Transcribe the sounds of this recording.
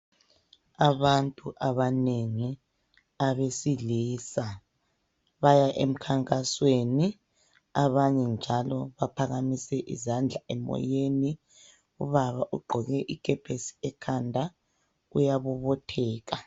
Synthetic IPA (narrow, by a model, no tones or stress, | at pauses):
aβantʼuʔaβaneŋi | aβesiliːsa | βajaʔḛm̩kʰaŋkʼasweni | aβaɲɛnd͡ʒʱalɔβapʰaɣamisɛʔḭzand͡ɮʱaʔɛmɔ̰jeni | uβaβaʔuɡ͡ǃʱɔɣɛʔikʰʼɛpʰesi̥ɛkʰandʱa | ujaβuβɔtʰɛːɣa